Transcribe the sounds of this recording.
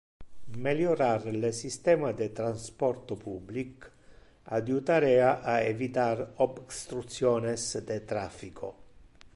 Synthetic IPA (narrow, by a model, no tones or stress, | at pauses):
meljoɾarlesist̪ɛːmad̪et̪ɾanspɔrt̪opublik | ad̪jut̪aɾɛaʔaevit̪aɾobst̪ɾut̪sjɔːnesd̪et̪ɾafːikʰo